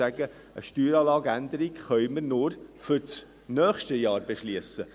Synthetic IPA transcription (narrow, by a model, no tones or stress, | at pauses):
æɡə | ʔəʃtyːɾɑːlɑːɡænd̪əɾiɡχœʏməɾnʊɾfʏɾt͡s | nœːχʃtəjɑːɾbeʃliəsə